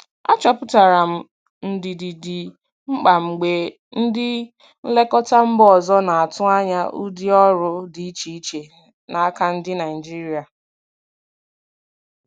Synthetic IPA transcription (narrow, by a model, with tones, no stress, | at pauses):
a̰˦t͡ʃɔ˨pʊ˦ta˨ɾa˨m̩˨ | n̩˨di˨di˨di˨ | ŋ͡m̩˦k͡pa˨ŋ͡m̩˨ɡ͡be˨ | n̩˦dɪ˦ | n̩˦le˦kɔ˦ta˦m̩˦bɔ˨zɔ˦na˨a˨tʊ˦a˦ɲa˦ʔu˦di˦ɔ˦ɾʊ˦di˨i˦t͡ʃi˦i˦t͡ʃe˨ | na˨a˦ka˦n̩˦dɪ˦na˨ɪ˨d͡ʒi˦ɾi˦a˨